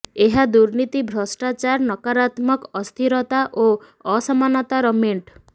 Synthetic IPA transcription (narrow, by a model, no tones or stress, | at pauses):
eɦad̪uɾnit̪ibʱɾɔsʈat͡ʃaɾnɔkaɾat̪mɔkɔst̪ʰiɾɔt̪aʔo | ɔsɔmanɔt̪aɾɔmeɳʈ